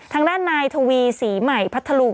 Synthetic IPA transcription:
t̪ʰaː˧ŋdaː˥˩nːaː˧jt̪ʰa˧wiː˧siː˩˦ma˨˩jpʰa˦˥t̪ʰːa˧lu˧

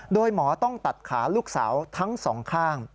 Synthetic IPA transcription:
doː˧jmɔː˩˦t̪ɔ˥˩ŋt̪a˨˩t̪̚kʰaː˩˦luː˥˩k̚sa̰ː˩˦wt̪ʰa˦˥ŋsɔː˩˦ŋkʰaː˥˩ŋ

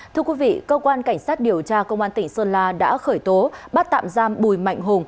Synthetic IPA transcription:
t̪ʰɨ˧əkwi˨˦vḭ˧˨kəː˧kwaː˧nka˧˩jŋ̟saː˦˥t̚ɗi˨˩əwt͡ɕaː˧kə˧wŋ͡mʔaː˧nt̪ï˧˩ŋ̟səː˧nlaː˧ɗa̰ː˧˥xəː˧˩jt̪o˨˦ɓaː˦˥t̚t̪a̰ː˧˨mzaː˧mɓu˨˩jma̰˧˨jŋ̟ɦʊ˨˩ŋ͡m

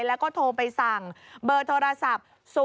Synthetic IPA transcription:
lɛ˦˥wkɔː˥˩t̪ʰoː˧pa˧jsa˨˩ŋbɤː˧˩t̪ʰoː˧ɾa˧sa˨˩p̚ | su˨

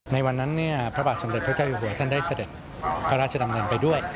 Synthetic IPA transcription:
na˧jwa˧nːa˦˥nːi˥˩ɐpʰɾa˦˥baː˨˩t̪̚so˩˦de˨˩t̚pʰa˦˥t͡ɕa˥˩juː˨˩ɦu˨˩˦ɐt̪ʰa˥˩ndaː˥˩jsa˧de˨˩t̪̚ | pʰa˦˥ɾaː˥t̪̚t͡ɕa˧a˧mdɯː˧npa˧jdu˥˩əj

